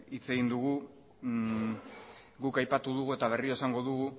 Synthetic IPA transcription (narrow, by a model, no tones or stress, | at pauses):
it͡se̞ɣind̪uɣu | ɡukajpat̪uðuɣ̞ue̞t̪aβ̞e̞rioesaŋɡo̞ðuɣu